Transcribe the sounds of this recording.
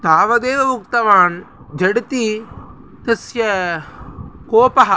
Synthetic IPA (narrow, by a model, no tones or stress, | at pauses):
t̪aːʋɐd̪eːʋɐmuk̚t̪ɐʋaːn | d͡ʒɐɽt̪i | t̪ɐsjɐ | koːpɐɦɐ